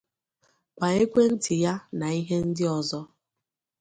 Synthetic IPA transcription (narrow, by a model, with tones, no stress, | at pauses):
kʷa˨e˦kʷe˦n̩˦tɪ˨ja˦na˨i˦ɦe˦n̩˦dɪ˦ɔ˨zɔ˦